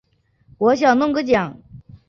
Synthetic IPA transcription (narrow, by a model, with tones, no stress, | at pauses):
kwɔ˧˥ɕjɑ˨˩ʊnʊ˥˧ŋkə˥t͡ɕjɑ˨˩˦ŋ